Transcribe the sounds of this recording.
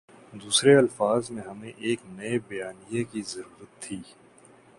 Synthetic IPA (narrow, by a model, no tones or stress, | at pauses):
d̪uːsɾeɐlfaːzmẽɦɐmẽʔeːknɐebɐjaːnijakizɐɾuːɾət̪ʰːiː